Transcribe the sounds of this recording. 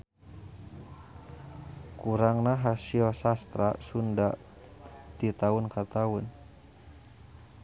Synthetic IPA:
kuɾaŋnaɦasiɔsast̪ɾasundaʔ | t̪it̪aunkat̪aun

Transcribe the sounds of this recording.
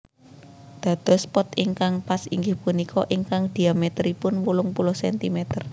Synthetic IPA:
d̪̥ä̤d̪̥ɔ̤spɔt̪iŋkaŋpasḭŋɡɪhpunikʰɔʔiŋkaŋd̪̥i̤amet̪ɾipʊnwulʊŋpulʊhsɛnt̪imɛt̪ər

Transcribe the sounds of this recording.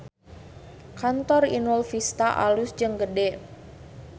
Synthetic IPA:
kant̪ɔrḭnulfist̪aʔa̰lusd͡ʒɨŋɡədɛ

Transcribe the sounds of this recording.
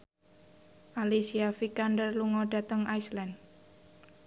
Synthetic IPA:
ʔalisiafikandərluŋɔɖa̤t̪əŋajslɛn

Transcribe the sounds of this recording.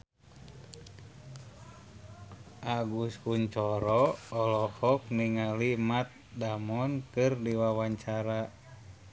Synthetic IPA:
ʔaɡuskuɲt͡ʃɔɾɔɔlɔhɔk̚niŋalimat̪̚damɔnkɨrdiwawaɲt͡ʃaɾa

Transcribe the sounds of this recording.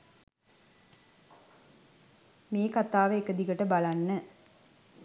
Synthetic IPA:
meːkat̪aːʋəekəd̪ikəʈəbalanːə

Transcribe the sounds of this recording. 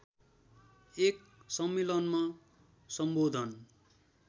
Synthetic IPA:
ek | sʌmːelʌnma | sʌmbod̪ʱʌn

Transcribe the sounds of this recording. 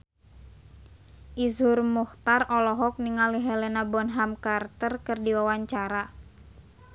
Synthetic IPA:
ʔizhʊrmuht̪arɔlɔɦɔk̚niŋaliɦɛlɛnabɔnɦamkart̪ərkɨrdiwawaɲt͡ʃaɾa

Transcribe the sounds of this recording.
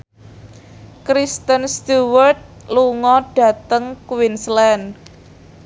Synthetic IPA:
kɾist̪ənst̪uwərt̪̚luŋɔɖ̥ä̤t̪əŋkwinslɛn

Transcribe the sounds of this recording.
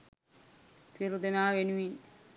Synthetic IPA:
t̪ʰiɾud̪enaːʋenuʋi

